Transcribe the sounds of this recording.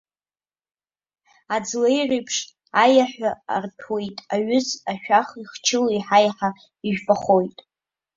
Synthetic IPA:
ad͡zlejrejpʰʂ | ajaħʷᶣaa̰rpʰwe̞jtʼaɥʏzaʃᶣaχiχt͡ʃʰɪliħajħa | iʒᶣbʼaχo̞jtʼ

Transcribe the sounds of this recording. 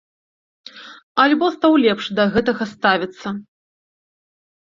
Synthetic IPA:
ɐlʲbɔst̪awlʲɛpʂd̪ɐɣɛt̪ɐɣɐst̪avʲit̪sːɐ

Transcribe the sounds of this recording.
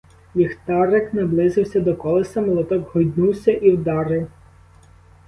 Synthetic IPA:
jixt̪ɑɾeknɐblˠɪzɪwsʲɐd̪ɔkɔlˠesɐmɔlˠɔt̪ɔɡɦɔjd̪nuwsʲɐʔiwd̪ɑɾɪw

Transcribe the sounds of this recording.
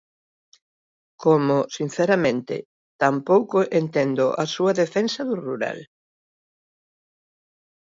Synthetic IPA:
komʊsin̟θɛɾɐmẽnt̪ɪ̰ | t̪ampowkʊʔent̪ɛnd̪ʊʔɐsuɐðefɛnsɐðʊruɾa̰l

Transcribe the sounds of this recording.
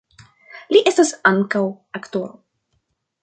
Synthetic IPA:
liʔest̪asaŋkaw | akt̪oɾo

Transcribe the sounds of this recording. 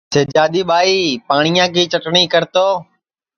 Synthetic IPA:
seːd͡ʒaːɗ̪iːɓaːiːpaːɳ̃ijãːkiːt͡ʃəʈɳiːkəɾt̪oː

